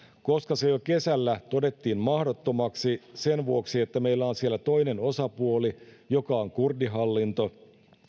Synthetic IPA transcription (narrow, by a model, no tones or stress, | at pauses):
ko̞skɑsejoke̞sælːæt̪ode̞t̪ːiːnmɑhdot̪ːomɑksise̞nʋuoksiet̪ːæmeilːæonsielːæt̪o̞ine̞no̞sɑpuolijo̞kɑoŋkurdiɦɑlːint̪o̞